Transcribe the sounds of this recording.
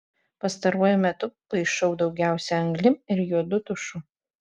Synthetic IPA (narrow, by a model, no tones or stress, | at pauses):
pɐst̪ɐɾuɔjʊmʲɛt̪ʊpɐɪʃɐʊd̪ɒʊɡʲæˑʊsʲɛɐŋɡlʲɪɪɾjuɔd̪ʊt̪ʊʃʊ